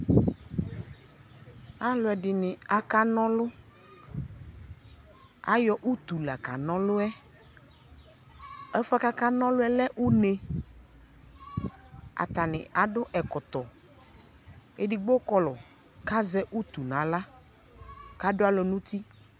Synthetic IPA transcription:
a˦lʊ˨˦ɛ˨dɪ˨nɪ̃˨a˨ka˦nɔ̃˦lʊ˦ | a̰˦jɔ˦ʔu˦t̪u˨la˨ka˨nɔ̃˦lʊ˦ɛ˦ | ɛ˦fa˦ka˦ka˦nɔ̃˦lʊ˦ɛ˦lɛ˦ʔu˦ne˨ | a̰˨t̪a˨nɪ̰̃˨a˨ɖʊ˦ʔɛ˨kɔ˨t̪ɔ˨ | e˨dɪ˨ɡ͡bo˦kɔ˦lɔ˨ | ka˦zɛ˦ʔu˦t̪u˨nã˨la˦ | ka˦dʊ˦a˦lɔ˨nũ˦t̪i˦

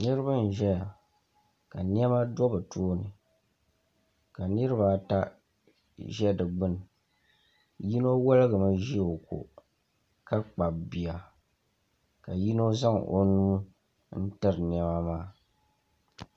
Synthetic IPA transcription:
nɨ˦ɾɨ˦ba˦n̩˨ʒɛ˦ja˨ | ka˨n˦ɛ˦ma˦do˦bɨ˨tʰuː˦nɨ˨ | ka˨nɨ˦ɾɨ˦ba˨ta˦ | ʒɛ˦dɨ˨ɡ͡bɨ˦n˨ | ji˦no˦wo˦lɨ˦ɣɨ˨ma˦ʒi˦˨o˨ko̰˨ | ka˦k͡pa˨bbi˨a˨ | ka˨ji˦no˦za˦ŋ˨ʔo̰˨nuː˦ | n̩˦tɨ˦ɾɨ˨n˨ɛ˦ma˦maː˦

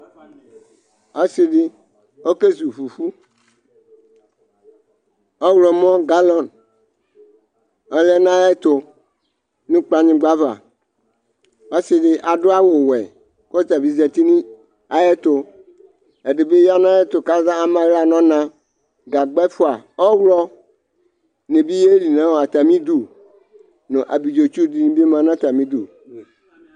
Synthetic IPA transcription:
e˦si˨ɖi˦ | o˦ke˦zu˨ɸu˨fu˦ | ɔ˦wlɔ˨mɔ̃˦ɡa˦lɔ˨n | e˦le˦nã˦e˦t̪o˨ | nũ˦k͡pa˦ɲĩ˦ɡ͡ba˦va̰˨ | e˦si˨ɖi˦ʔa˨ɖo˦a˦wo˨wɛ̰˨ | kɔ˦t̪a˨bi˨zɛ˨t̪i˦nĩ˦ | a˨jɛ˦t̪ʊ˨ | e˨ɖe˨be˦ja˦nã˦ɛ˦t̪ʊ˨ka˦zã˦a˨mã˨ɣa˨nɔ̃˦nã˦ | ɡa˨ɡ͡bɛ˦fʊ˦a˨ɔ˦wlɔ˦ | nẽ˨bi˦je˦li˨nã˦wo˨a˨t̪a˨mĩ˦d̪u˨ | nõ˨ʔa̰˨bi˨d͡ʒo˨t͡ʃu˦di˨nĩ˦bi˦mã˨nã˦t̪a˨mĩ˦d̪u˨

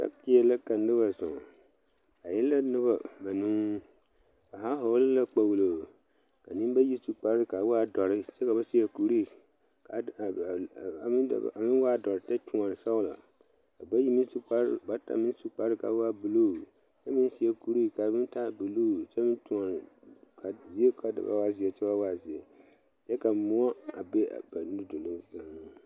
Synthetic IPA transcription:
ka̰˦kɪ˦ɛ˨la˦ka˨n˦dɪ˦ba˨zɔ̰̃˨ | a˨jɛ˦lːa˦nɪ˦ba˨ma˨nũ˦ | ka˨ɦa˦ɦo˨˦lɪ˦la˦k͡pa˨wu˨lo˨ | ka˨ni˦m˦ba˦ji˦su˦k͡pa˨ɾɪ˦ka˨˦wa˦dɔ˨ɾɪ˦t͡ʃɛ˦ka˨ba˦si˦ɛ˦ku˨ɾi˦˨ | ka˨a̰˨˦˨a˨mɪ˦n˦wa˦˨dɔ˨ɾɪ˨tɛ˦tu˨ɔ˨n˨sa˦wla̰˨ | ka˨ba˦ji˦mi˦su˦k͡pa˦ɾba˦ta̰˨mɪ˦su˦k͡pa˨ɾɨ˦ka̰˨wa˦bɨ˨lo˦˨ | t͡ʃɛ˦mɪ˦n˦si˦ɛ˦ku˨ɾi˦˨ka˨mɪ˦n˦ta˦˨˦bɨ˨loː˦˨t͡ʃɛ˦mɨ˦ntu˨ŋɔ˨n˨kʰa˨zi˦ɛ˦ka˨da̰˨ba̰˦wa˦zi˨ɛ˨t͡ʃɛ˦ba˦wa˦˨zi˨ɛ˨ | t͡ʃɛ˦ka˨mʊ˦ɔ˦a˨be˦a̰˨ba˨n˦do˨lʊ˦n˦sa˨˦n˦

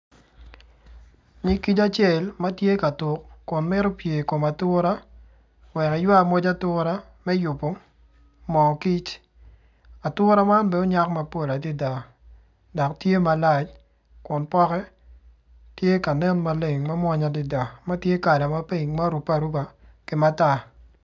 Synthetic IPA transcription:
ɲi˦ki˦t͡ʃa˦t͡ʃje˨lma˦tje˦ka˨tʊ˨kːʊ˨nmɪ˦ɾo˦pje˨ko˨ma˨tʊ˦ɾa˦ | wɛ˨kɛ˨jwa˦˨mo˦d͡ʒa˦tʊɾa˦ | mɛ˦jʊ˨po˦ | mɔ˨ki˦t͡ʃ | a˨tʊ˦ɾa˦ma˦nbɛ˦o˦ɲa˦kma˦pɔ˨la˨di˦da˨ | dɔ˨ktje˦ma˨la˦t͡ʃ | kʊ˨npɔ˦kɛ˦ | tje˦ka˨nɛ˦nma˦le˨ŋma˦mwa˦ɲa˨di˨da˨ma˦tje˦ka˨dɛ˨ma˦pi˦˨ɲma˦ɾu˨pa˨ɾu˦ba˨kɪ˨ma˦ta˦˨

